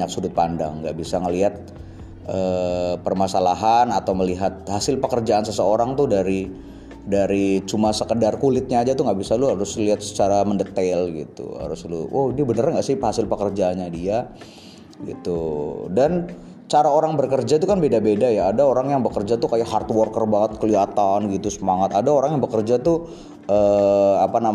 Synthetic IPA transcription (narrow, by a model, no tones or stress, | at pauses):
aksudʊt̪̚panda̰ŋːɡa̰ʔbisaŋəliɦat̪̚ | ʔəpərmasalaɦanat̪awməliɦat̪̚hasɪlpəkərd͡ʒaːnsəsəoɾaŋt̪udaɾi | daɾit͡ʃumasəkədarkulɪt̪̚ɲaːd͡ʒat̪uŋɡaʔbisaluɦaɾʊsliɦat̪̚sə̥t͡ʃaɾaməndət̪ɛlɡḭt̪ṵha̰ɾʊslṵodiabənərɲaŋɡaʔsɪpəhasɪlpəkərd͡ʒaːnɲadia | ɡḭt̪udan | t͡ʃaɾaoɾaŋbərkərd͡ʒat̪ukanbedabedajaːdaoɾaŋjaŋbəkərd͡ʒat̪ukajaʔhart̪uwɔrkərbaŋət̪̚kəliat̪anɡit̪usəmaŋat̪adaoɾaŋjaŋbəkərd͡ʒat̪u | əːapana